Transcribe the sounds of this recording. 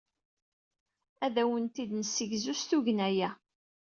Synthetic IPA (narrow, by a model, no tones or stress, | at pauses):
æðæwənt̪id̪nəsːəʝzust̪uʝnæjæ